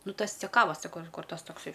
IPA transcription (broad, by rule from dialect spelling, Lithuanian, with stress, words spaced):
ˈnʊ ˈtɐs t͡sʲɛˈkɑːʋɐs sɐˈkɐʊ ɪr ˈkuɔr ˈtɐs toːkˈsɐɪ